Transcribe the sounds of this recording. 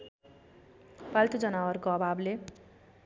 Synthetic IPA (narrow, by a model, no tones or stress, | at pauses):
palt̪ud͡zʌnawʌrkoʌbʱable